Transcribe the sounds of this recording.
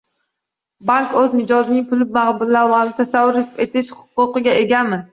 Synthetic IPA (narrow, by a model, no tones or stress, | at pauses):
baŋkozmɪd͡ʒɒznɪŋpʰʊlɪb̚maʁbʊlːaɾlˠanɪt̪ʰasavːʊɾɪet̪ʰɪʃhʊ̥qːʊqɨɡʲae̞ɡʲamɪ